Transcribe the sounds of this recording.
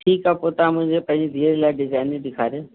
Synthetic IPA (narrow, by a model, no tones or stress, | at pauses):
ʈʰiːkaːpoːt̪amʊ̃ɪ̃ɲd͡ʑepɐ̃ɦɪ̃ɲd͡ʑid̪ʱiːəɾlaːɪɖɪzaːɪniɗɪkʰaːɾjoː